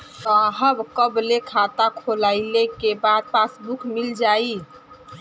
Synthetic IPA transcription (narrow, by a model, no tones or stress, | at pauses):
t̪aɦəbkəblekʰat̪akʰolaɪlekebad̪̚pasbukmild͡ʒai